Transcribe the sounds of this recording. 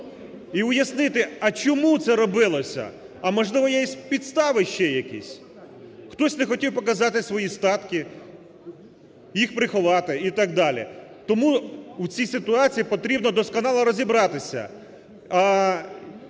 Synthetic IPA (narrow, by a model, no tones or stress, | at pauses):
iʊjɐsnɪt̪ɪɐt͡ʃɔmut̪sɛɾɔbɪlˠɔsʲɐ̰ | ɐmɔʒlˠɪʋɔjɛsʲpʲid̪st̪ɑʋɪʃt͡ʃɛjɐkḭsʲ | xt̪ɔsʲnexɔtʲiwpɔkɐzɑt̪ɪsʋɔjist̪ɑt̪kɪ | jixpɾɪxʊʋɑt̪ɪit̪ɑɡ̚d̪ɑlʲḭt̪ɔmuwt͡sʲijsɪt̪ʊɑt͡sʲijipɔt̪ɾʲibnɔd̪ɔskɔnɑlˠɐɾɔzʲibɾɑt̪ɪsʲɐ̰ | ɐ